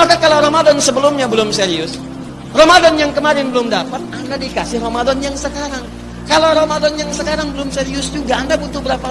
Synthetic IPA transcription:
makakalawɾomadɔnsəbəlʊmɲabəlʊmseɾiʊs | romadɔnjaŋkəmaɾɪnbəlʊmdapat̪̚andadikasɪhromadɔnjaŋsəkaɾaŋ | kalowɾomadɔnjaŋsəkaɾaŋbəlʊmseɾiʊsd͡ʒuɡaːndabut̪ʊbəɾapa

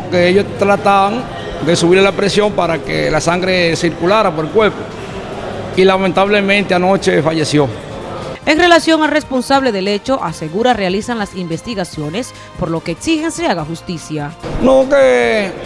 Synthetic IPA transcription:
keeʝost̪ɾat̪aβaŋ | d̪e̞suβiɾlapɾesjo̞mpaɾakḛlasaŋɡɾe̞siɾkulaɾapoɾelkweɾpo | ilamẽnt̪aβle̞mẽnt̪eanot͡ʃe̞faʝe̞sjo̞ | e̞ŋre̞lasjo̞ŋalre̞spo̞nsaβle̞ðe̞le̞t͡ʃo̞ʔase̞ɣuɾarealisaŋlasimbest̪iɣasjo̞ne̞s | po̞ɾlo̞ke̞ːksixe̞nseaɣaxust̪isjanoke

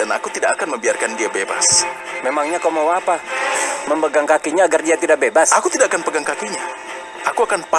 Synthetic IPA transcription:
ana̰kut̪idakakanməmbiarkandiabeba̰s | memaŋɲakawmawapaməmbəɡaŋkakiɲaːɡardiat̪idaʔ̚bebasʔakut̪idaʔakanpəɡaŋkakiɲa | akuakanpa

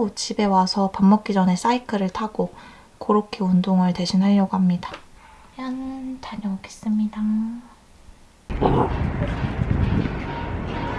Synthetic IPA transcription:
ut͡ɕʰibe̞wasʰʌpamːʌk̚k͈id͡ʑʌne̞s͈aikʰɯɾɯɭtʰaɡ̥o | koɾokʰeundoŋɯɭte̞ɕʰinɦaʎːʌɡoɦamɲidḁ | janntaɲʌoɡe̞̥s͈ɯmɲida

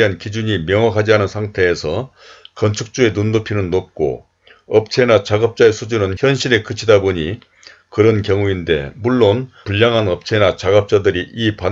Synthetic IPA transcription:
ɦankid͡ʑuɲimjʌŋɦwakʰad͡ʑiɦanɯnsʰaŋtʰe̞ːsʰʌ | kʌnt͡ɕʰuk̚t͡ɕ͈ue̞nundopʰinɯnːop̚k͈o̰ | ʌp̚t͡ɕʰe̞nat͡ɕaɡʌp̚t͡ɕ͈ae̞sʰud͡ʑunɯnçjʌnɕʰiɾe̞kɯt͡ɕʰidaboɲi | kɯɾʌnkjʌŋuinde̞̰muɭːonpuʎːaŋɦanʌp̚t͡ɕʰe̞nat͡ɕaɡʌp̚t͡ɕ͈adɯɾiʔipa

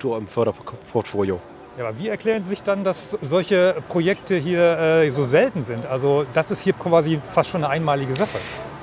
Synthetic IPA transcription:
tuːɐɪmfœɐɾɐpʰɔɐtfoːljo | jaːbɐviːɛɐkl̥ɛːʁ̞ənziːzɪçd̥andaszɔlçəpʁ̥ojɛktʰəɦiːɐʔɛːzoːzɛltn̩zɪntʔalzod̥asɪsthiːɐkv̥aːzifastʃoːnəʔaɪnmaːlɪɡəzaχə

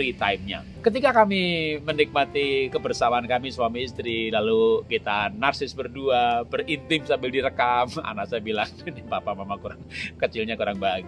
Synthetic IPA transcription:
ɡit̪aɪmɲa̰ | kət̪̬ikakamimənik̚mat̪ikəbərsalaankamisuamiːst̪ɾilalukit̪anarsɪsbərduabərint̪ɪmsambɪldiɾəkama̰nasajabilaŋnipapamamakuɾaŋkət͡ʃɪlɲakuɾaŋbaɡi

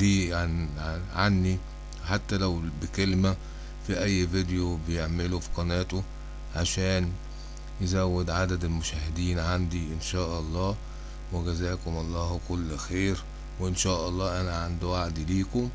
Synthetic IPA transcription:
iːnʕʕanːi | ħat̪ːælæwbɪkelmæ | fiʔæjːved̪ejobejeʕmelufi̥qɑnæːt̪o | ʕaʃæːn | jɪzæwːed̪ʕad̪æd̪elmʊʃæːhɪd̪iːnʕand̪iʔɪnʃæːʔɑlˤːɑː | weɡæzæːkʊmʔɑlˤːɑːhkʊlːxeːɾ | weʔɪnʃæːʔɑlˤːɑːʔænæʕand̪waʕd̪iliːkʊm

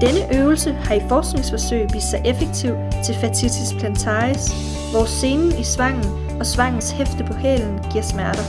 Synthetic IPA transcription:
d̥enəʔøʊl̩səhɑ̈ifɒːsɡ̥ne̝ŋsfɒ̽søɪ̰ʋḭːssɑ̈ɪʔefeɡ̥̚t͡sʰiʊ̰t͡sʰe̝lfæt͡sʰit͡sʰispʰlænt͡sʰɑ̈ːis | ʋɒse̝ːnn̩isʋɑ̈ŋ̰n̩ | ɒ̽sʋɑ̈ŋ̰n̩shefd̥əpʰɒ̽hɛ̰ːln̩ɡ̥iɐ̰smæɐd̥ɐ

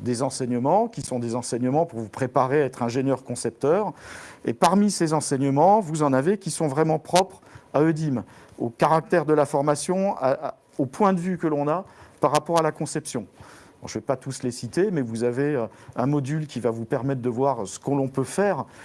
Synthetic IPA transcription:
d̪ezɑ̃sɛɲəmɑ̃kʲisɔ̃d̪ezɑ̃sɛɲəmɑ̃puʁvupχepaʁeaɛt̪χɛ̃ʒeɲjœʁkɔ̃sɛp̚t̪œʁḛpaʁmisezɑ̃sɛɲəmɑ̃vuzɑ̃navekʲisɔ̃vʁɛmɑ̃pχɔpχaød̪im | okaʁak̚t̪ɛʁd̪əlafɔʁmasjɔ̃a | opwɛ̃d̪əvykəlɔ̃napaʁːapɔʁalakɔ̃sɛpsjɔ̃ | ɔ̰̃ʒəvɛpat̪uslesit̪emɛvuzaveøɛ̃mɔd̪ylkʲivavupɛʁmɛt̪̚d̪əvwaʁsə̥kəlɔ̃pøfɛʁ

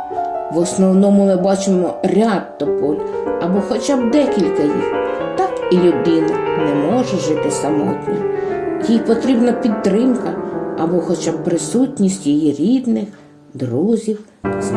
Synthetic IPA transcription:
ʋɔsnɔwnɔmʊmɪbɑt͡ʃɪmɔɾʲɑd̪ːɔpɔlʲ | ɐbɔxɔt͡ʃɑb̚d̪ɛkʲilʲkɐjḭxt̪ɑkilʲʊd̪ɪnɐnɛmɔʒɛʒɪt̪ɪsɐmɔ̰t̪ʲnʲɐ̰jijpɔt̪ɾʲibnɐpʲid̪t̪ɾɪmkɐɐbɔxɔt͡ʃɑb̚pɾɪsutʲnʲisʲtʲjijiɾʲid̪nɪx | d̪ɾuzʲiw

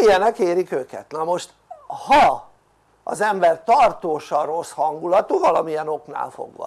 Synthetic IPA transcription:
ijɛnɛkeːɾikøːkɛ̰t̪nɒmo̞ʃt̪ | hɒ | ɒ̰zɛmbɛrt̪ɒrt̪oːʃɒro̞shɒŋɡulɒt̪uvɒlɒmiɛno̞kna̰ːlfo̰ɡʋɒ̰

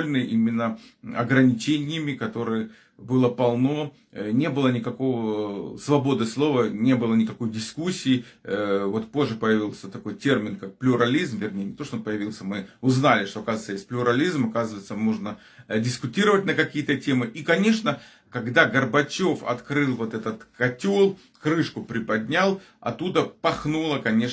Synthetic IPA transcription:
lʲnɨjʔimʲɪnːəɐ̰ɡɾənʲɪt͡ɕenʲɪjəmʲɪkɐt̪o̞ɾɨjə | bɨlˠəpɐlˠno̞ | nʲe̞bɨlˠənʲɪkɐko̞vəsvɐbo̞d̪ɨslˠo̞vənʲe̞bɨlˠənʲɪkɐko̞jdʲɪskusʲːiː | vo̞t̪po̞ʐːɨpəjɪvʲilˠsʲət̪ɐko̞jtʲe̞rmʲɪnkak̚plʲʊɾɐlʲizmvʲɪrnʲejnʲɪt̪oʂt̪oonpəjɪvʲilˠsʲəmɨʊznalʲɪʂt̪o̞ɐkazt̪ːəjesʲtʲplʲʊɾɐlʲizmɐkazɨvəjɪt̪səmoʐnə | dʲɪskʊtʲiɾəvətʲnəkɐkʲijət̪ətʲe̞mɨʔikɐnʲe̞ʂnə | kɐɡd̪aɡərbɐt͡ɕo̞fɐ̰t̪kɾɨlˠvo̞t̪ɛt̪ət̪kɐtʲolˠ | kɾɨʂkʊpɾʲɪpɐdʲnʲalˠ | ɐ̰t̪ːud̪əpɐxnulˠəkɐnʲe̞

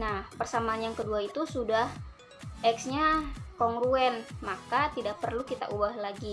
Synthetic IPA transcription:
nahpərsamaːnjaŋkəduait̪usudah | ʔɛksɲakɔŋɾuɛnmakat̪idak̚pərlukit̪a̰ʔubahlaɡi

